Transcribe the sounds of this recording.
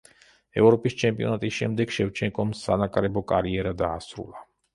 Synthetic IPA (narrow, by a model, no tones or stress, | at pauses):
ɛvɾɔpʼist͡ʃʰɛmpʼiɔnat̪ʼisʃɛmd̪ɛɡ̥ʃɛvt͡ʃʰɛŋkʼɔmsanakʼɾɛbɔkʼaɾiɛɾad̪aːsɾṵlˠa